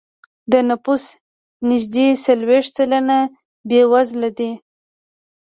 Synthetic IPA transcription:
d̪ənapus | nɪʒd̪esalweʂt̪̚t͡salana | bewazlad̪i

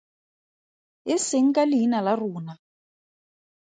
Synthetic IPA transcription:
ɪsɪŋ̩kʼalɪinalaruːna

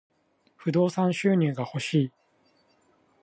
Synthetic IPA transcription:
ɸɯ̟d̪o̞ːsãɰ̃ɕɨːɲ̟ʲĩŋɡaho̞ɕiː

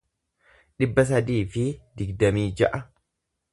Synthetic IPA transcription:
ᶑɪbːɐs̬ɐd̪iːfɪd̪ɪɡd̪ɐmiːd͡ʒɐʔɐ

